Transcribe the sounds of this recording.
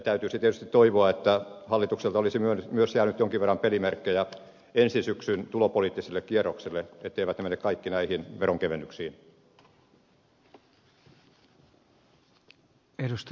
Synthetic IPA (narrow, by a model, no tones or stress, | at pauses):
t̪æyt̪yːsit̪iet̪yst̪it̪t̪oiʋoɑet̪ːæhɑlːˑit̪ukselt̪ɑolisimyønmyøsjæːnyt̪joŋkiʋerːɑmpelimerkːejɑ | ensinsyksynt̪ulopoliːt̪ːisilːekkierˑoksilːeet̪ːeiʋæt̪nemenːekkɑikːinæihinʋeroŋkeʋenːyksiːn | edust̪